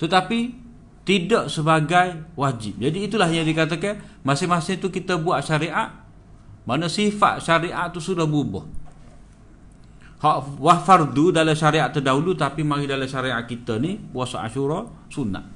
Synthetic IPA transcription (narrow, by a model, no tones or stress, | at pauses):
t̪ət̪api | t̪idaʔsəbaɡajwad͡ʒɪp̚d͡ʒadiːt̪ulahɲadikat̪əkan | masɪmasɪŋt̪ukit̪əbuaʔʃaɾiʔaʔ | manəsifa̰ʔʃaɾiʔaʔt̪usudahbubɔ̰h | hɔʔwahfard̪udaləmʃaɾiaʔt̪ədaɦulut̪apimaɡidaləʃaɾiaʔkit̪ənipuasaʔa̰ʃuɾɔ | suna̰ʔ